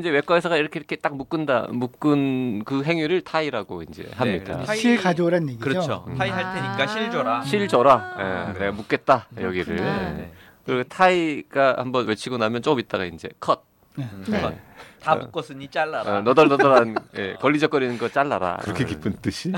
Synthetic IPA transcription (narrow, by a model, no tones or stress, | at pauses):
ind͡ʑe̞we̞k͈waes̬ʰʌɡaiɾʌkʰeɾʌkʰe̞t͈ak̚muk͈ɯnda̰muk͈ɯnkɯɦe̞ŋɥiɾɯɭtʰaiɾaɡoind͡ʑe̞̰hamɲid̥a̰iɭkad͡ʑoɾanjeɡikɯɾʌt͡ɕʰoaiɦaɭtʰeɲik͈aɕʰiɭd͡ʑʌɾaɕʰiɭd͡ʑʌɾajḛneɡamuk͈e̞t̚t͈ajʌɡiɾɯɭ | kɯɾiɡotʰaiɡ̥ahambʌnwet͡ɕʰiɡonamjʌnt͡ɕ͈ok͈ɯmit̚t͈aɡaind͡ʑe̞̰kʰʌt̚ | ta̰uk͈ʌs͈ɯɲit͡ɕ͈aɭːaɾanʌdʌɭnʌdʌɾanje̞kʌʎːid͡ʑʌk͈ʌɾinɯnɡʌt͡ɕ͈aɭːaɾa̰ɯɾʌkʰekip͈ʰɯnt͈ɯɕʰi